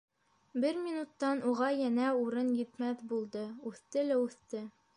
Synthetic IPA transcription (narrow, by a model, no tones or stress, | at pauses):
bɘɾmʲinut̪ːɑnuʁɑjænæuɾɤnjɘ̆t̪mæθbulˠd̪ɤʉθt̪ɘlæʉθt̪ɘ